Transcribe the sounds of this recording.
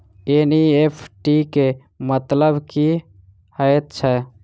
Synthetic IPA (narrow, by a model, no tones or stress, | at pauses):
eniepʰʈike | mət̪ləbki | həet̪̚t͡ʃʰɛ